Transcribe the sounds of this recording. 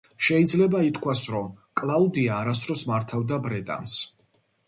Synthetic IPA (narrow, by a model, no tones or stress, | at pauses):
ʃɛid̪zlɛbait̪ʰkʰwasɾɔmkʼlˠaud̪iaːɾas̬t̪ʰɾɔsmaɾt̪ʰavd̪abɾɛt̪ʼa̰ns